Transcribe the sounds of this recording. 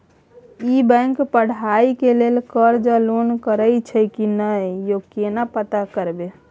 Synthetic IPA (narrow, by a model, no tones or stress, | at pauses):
ibɛ̃ŋkpəɽ̤aikelelkəɾd͡ʒalonkəɾəjt͡ʃʰəkinəjokenapət̪akəɾbe